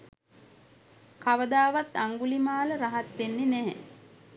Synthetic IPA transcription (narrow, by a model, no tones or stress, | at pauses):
kaʋəd̪aːʋat̪aŋɡulimaːləɾaɦat̪ʋenːenæɦɛ̰